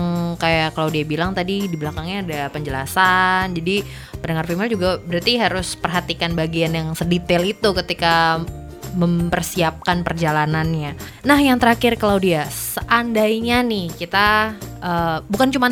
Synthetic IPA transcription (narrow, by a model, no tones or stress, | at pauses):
ŋkajakalawdiabilaŋt̪adidiblakaŋɲaːdapəɲd͡ʒəla̰sand͡ʒadi | pənəŋarfimɛld͡ʒuɡabəɾart̪iɦaɾʊspərɦat̪ikanbaɡianjaŋsədit̪ɛlit̪ukət̪ika | məmpərsiap̚kanpərd͡ʒalananɲa | nahjaŋt̪əɾakɪrkalawdiasəʔandajɲanɪhkit̪aʔəːbukant͡ʃuman